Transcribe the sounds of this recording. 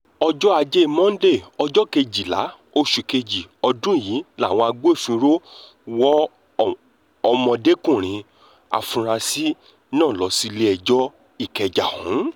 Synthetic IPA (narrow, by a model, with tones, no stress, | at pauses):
ɔ˧d͡ʒɔ˦a˧d͡ʒe˦i˦˨mɔ̃˦n̩˦de˦˨ɔ˧d͡ʒɔ˦ke˧d͡ʒi˨la̰˨˦ | o˧ʃu˨ke˧d͡ʒi˨ɔ˧dũ˦˨ji˨˦la˦˨w̃ɔ̃˧a˧ɡ͡bo˦e˦˨fĩ˧ɾo˦ | wɔ˦ | ɔ˧mɔ̃˧de˦kũ˦˨ɾ̃ĩ˨˦ | a̰˨fũ˧ɾ̃a˧si˦ | nãː˦˨lɔ˨˧˦si˦le˦ɛ˧˨d͡ʒɔ˦ | i˦˨kɛ˧d͡ʒa˨hṵ̃˨˦